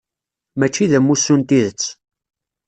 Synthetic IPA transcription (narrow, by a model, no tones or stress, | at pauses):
mæt͡ʃːiðæmːusːunt̪iðət͡sː